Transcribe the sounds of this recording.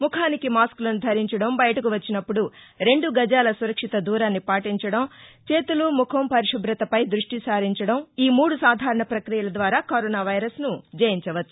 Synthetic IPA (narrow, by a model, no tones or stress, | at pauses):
mukʰaːnikimaːskulɐnud̪ʱɐɾiɲt͡ʃɐɽɐmbɐjɐʈɐkuʋɐt͡ʃːinɐpːuɽuɾe̞ɳɖuɡɐd͡ʒaːlɐsuɾɐkʂit̪ɐd̪uːɾaːnːipaːʈiɲt͡ʃɐɽɐmt͡ʃe̞ːt̪ulumukʰɐmpɐɾiʂɐbɾɐt̪ɐpɐjd̪ɾuʂʈisaːɾiɲt͡ʃɐɽɐmiːmuːɽusaːd̪ʱaːɾɐɳɐpɾɐkɾijɐlɐd̪ʋaːɾaːkoɾɔːnaːʋɐjɾɐsnud͡ʒɐjiɲt͡ʃɐʋɐtːu̥